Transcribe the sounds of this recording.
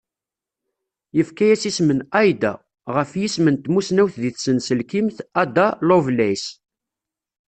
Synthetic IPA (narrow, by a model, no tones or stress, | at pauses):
jəfkæjæsismənɑjd̪æ | ʁəfjismənt̪musnæwθðiθsənsəlkimθæd̪alovlæjs